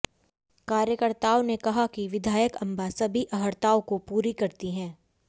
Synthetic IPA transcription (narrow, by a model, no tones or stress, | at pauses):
kaːɾjəkəɾt̪aːonekɐɦakiʋɪd̪ʱaːjəkɐ̃mbasɐbʱiʔɐɦəɾt̪aːokopuːɾikɐɾt̪iɦɛ̃ː